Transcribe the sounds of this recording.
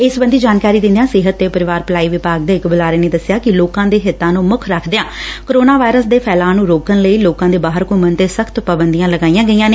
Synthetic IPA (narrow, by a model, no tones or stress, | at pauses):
ɪsbə̃nd̪iːd͡ʒaːnkaːɾiːd̪ɪ̃nd̪jãːsɪɦət̪ːeːpəɾɪʋaːɾplaːiːʋɪpaːɡ̚d̪eːɪkbəlaːɾeːneːd̪əsɪjaːkɪloːkãːd̪eːɦɪt̪ːãːnũːmʊkʰɾəkʰd̪ejãːkoɾoːnaːʋaːɪɾəsd̪eːpʰɛːlaːnũːɾoːkənləiːloːkãːd̪eːbaːɦəɾkomənt̪eːsəkʰt̪pəbənd̪ijãːləɡaːijãːɡəijãːneː